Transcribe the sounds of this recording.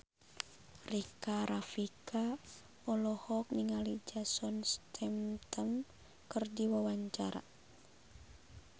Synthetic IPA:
rikaɾafikʰa | ɔlɔhɔk̚niŋalid͡ʒasɔnst̪ʰɛmt̪əm | kɨrdiwawaɲt͡ʃaɾa̰

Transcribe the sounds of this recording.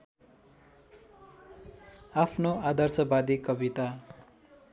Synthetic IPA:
apʰnoad̪ʱʌrt͡sʌbad̪ikʌbit̪a

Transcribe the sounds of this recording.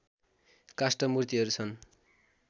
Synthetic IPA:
kasʈʌmurt̪iɦʌɾut͡sʰʌn

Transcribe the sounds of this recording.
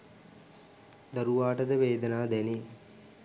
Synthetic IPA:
d̪ɐɾuʋaːʈəd̪əʋeːd̪ənaːd̪æni

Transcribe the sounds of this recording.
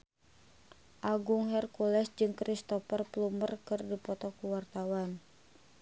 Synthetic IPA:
ʔaɡʊŋɦɛrkulɛsd͡ʒɨŋkɾist̪ɔfərplumərkɨrdipɔt̪ɔkuwart̪awan

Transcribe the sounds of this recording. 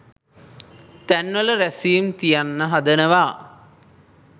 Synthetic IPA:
t̪ænʋələɾæsimt̪ijanːəɦad̪ənəʋa

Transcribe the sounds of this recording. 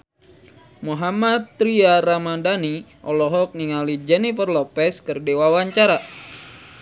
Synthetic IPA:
muɦamat̪ːɾiaɾamandaniʔɔlɔɦɔk̚niŋalid͡ʒɛnifərlɔpɛskɨrdewawaɲt͡ʃaɾa

